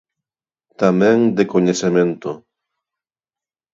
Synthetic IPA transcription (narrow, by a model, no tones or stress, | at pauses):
t̪amɛ̃ŋd̪ekoɲesemẽnt̪o